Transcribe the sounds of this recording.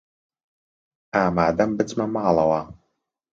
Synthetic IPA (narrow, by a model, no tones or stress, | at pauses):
aːmaːd̪ɐmbɨt͡smɐmaːlˠɐwaː